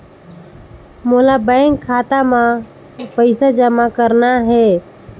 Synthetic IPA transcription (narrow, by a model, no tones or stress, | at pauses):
mulabəɪŋɡkʰːat̪amã | pəɪsad͡ʒəmakəɾnaɦɛ